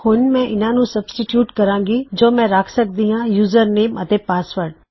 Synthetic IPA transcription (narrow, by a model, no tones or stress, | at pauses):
hʊnmɛ̃ʔɪnãnũsɐbsʈɪʈjuːʈkɐɾãːŋɡid͡ʒoːmɛ̃ːɾaːkʰsɐk̚d̪iɦãjuːzəɾneːmɐt̪epaːsʋəɾɖ